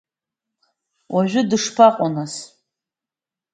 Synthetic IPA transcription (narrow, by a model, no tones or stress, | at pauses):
waʒʷᶣʏdɨʂpʰaqʼanas